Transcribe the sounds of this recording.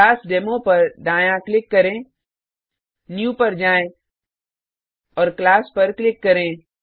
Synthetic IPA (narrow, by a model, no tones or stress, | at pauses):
aːsɖeːmõpɐɾɖãːjãklɪkːɐɾẽː | njuːpɐɾd͡ʒaːẽ | ɔːɾklaːspɐɾklɪkːɐɾẽː